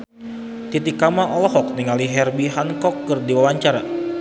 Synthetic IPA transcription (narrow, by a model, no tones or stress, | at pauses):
t̪it̪ikːamaʔɔlɔɦɔk̚niŋaliɦɛrbiɦankɔkːɨrdiwawaɲt͡ʃaɾa